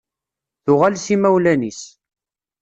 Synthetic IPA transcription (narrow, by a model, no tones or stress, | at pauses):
θʊʁalsimæwlænis